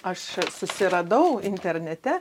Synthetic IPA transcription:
ɐʃsʊsʲɪɾɐd̪ɐʊɪnʲt̪ʲɛɾʲnʲɛt̪ʲɛ

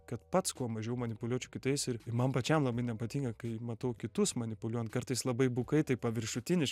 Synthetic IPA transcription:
kɐt̪pɐt̪skuɔmɐʒʲɛʊmɐnʲɪpʊlʲuɔt͡ʃʲʊkʲɪt̪ɐɪsɪɾɪmɐmpɐt͡ʃʲɛmlˠɐbɐɪnʲɛpɐt̪ʲiːŋkɐkɐɪmɐt̪ɐʊkʲɪt̪ʊsmɐnʲɪpʊlʲuɔjɛnt̪̚kɐrt̪ɐɪslˠɐbɐɪbʊkɐɪt̪ɐɪpɐʋʲɪɾʃʊt̪ʲɪnʲɪʃ

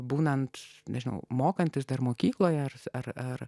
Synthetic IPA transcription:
buːnɐnt̪nʲɛʒʲɪnɐ̰ʊmoːkɐnʲt̪ʲɪsd̪ɐɾmoːkʲiːklˠoːjɛɐrɐrɐɾ

